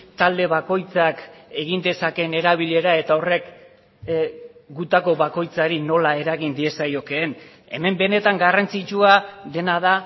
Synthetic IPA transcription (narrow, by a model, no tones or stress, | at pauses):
t̪ald̪e̞βako̞jt͡sake̞ɣind̪e̞sake̞ne̞ɾaβ̞iʎe̞ɾae̞t̪ao̞re̞k | ɡut̪ako̞βako̞jt͡saɾino̞lae̞ɾaɣind̪ie̞sajo̞ke̞ːn | e̞̰me̞mbe̞ne̞t̪aŋɡarant͡sit͡ʃuaðe̞nað̞a